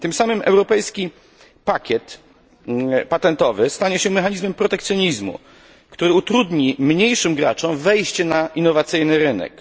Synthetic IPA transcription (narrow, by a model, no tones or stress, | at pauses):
t̪ɘmsamɘmʔɛ̰wɾɔpɛjskʲi | pakʲɛt̪ | pat̪ɛnt̪ɔvɘst̪aɲɛɕɛmɛxaɲizmɛmpɾɔt̪ɛkt̪sʲjɔɲizmṵ | kt̪uɾɘut̪ɾud̪ɲimɲejʂɘmɡɾa̰t͡ʂɔ̃w̃vɛjɕt͡ɕɛnaʔinːɔvat̪sɘjnɘɾɘnɛ̰k